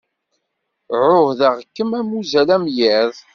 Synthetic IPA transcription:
ʕʊhðæʁkːəmæmuzælæmjiðˤ

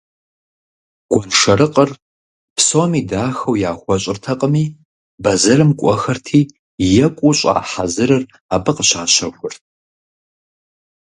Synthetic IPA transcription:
ɡ̥ʷɔnʂɐɾɨqʼər | pʰsomiːdaːxɐwjaːxʷɔɕʼɪrtʰɐqʼəmiː | bɐzɐrɨmkʷʼɔxɐrtʰiː | jɛkʷʼuɕʼa̰ːħazɨɾɐr | aːpɨqəɕaːɕɐxʷʊrtʰ

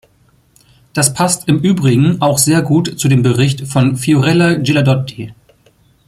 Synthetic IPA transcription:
d̥aspʰastɪmʔyːbʁɪɡŋ̩aʊxz̥eːɐɡuːtt͡sudeːmbəʁɪçtfɔnfioʁɛlad͡ʒiladɔti

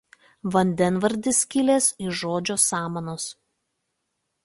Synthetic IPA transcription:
ʋɐnʲd̪ʲɛnʋɐɾʲˑd̪ʲɪsʲkʲɪlʲeːsɪʒoːd͡ʒʲoːsɑːmɐnoːs

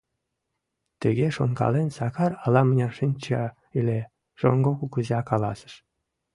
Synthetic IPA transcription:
t̪əɣeʃonkɑ̰lensɑkɑrɑlɑmənʲɑʃinʲt͡ɕɑ | ilʲe | ʒ̥o̰ŋɡokukuzɑkɑlɑsə̥̆ʃ

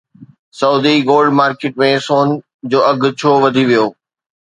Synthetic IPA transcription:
sɐuːd̪iɡoːlɖmaːɾkeːʈmẽsoːn | d͡ʑoːʔɐɡʱt͡ɕʰoːʋɐd̪ʱiʋijoː

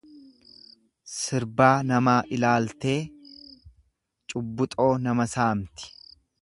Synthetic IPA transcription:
sɪɾbaːnɐmaːʔɪlaːlt̪e̞ː | t͡ʃʼʊbːʊt̪ʼo̞ːnɐmɐsaːmt̪ɪ̥

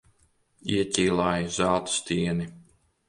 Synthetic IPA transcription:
iɛcʲiːlˠaːjizalˠt̪st̪ʲiɛni

